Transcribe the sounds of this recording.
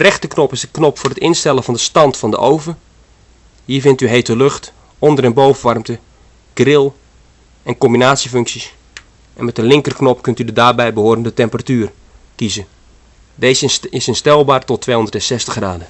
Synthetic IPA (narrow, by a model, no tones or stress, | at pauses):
dərɛxtəknɔpɪzdəknɔpfʊːrətɪnstɛlˠəvɑndəstɑntfɑndə̰ʔowvə | ɦiːɹvɪntyɦejtəløxt | ɔndərɛnbowvəʋɑrmtə | ɡ̥rɪlˠ | ɛnkɔmbinaːtsiføŋksis | ʔɛ̰nmɛt̚əlɪŋkərknɔpkɵntydədaːrbɛjbəɦoːrəndətɛmpəratyːr | kizə | deːzɪsɪnstɛlˠbaːrtɔtʰːʋeːɦondərtɛnsɛstəxɡraːdə